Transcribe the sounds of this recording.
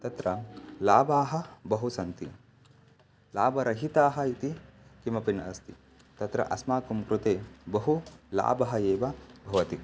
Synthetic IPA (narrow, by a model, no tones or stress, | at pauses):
t̪ɐt̪ɾɐlaːbaːɦɐ̆bɐɦusɐnt̪i | laːbɐɾɐɦit̪aːɦɐ̆it̪ikimɐpinɐ̰st̪ḭ | t̪ɐt̪ɾɐ̰ʔɐsmaːkumkɾut̪eːbɐɦula̰ːbɐɦɐeːʋɐbʱɐʋɐt̪i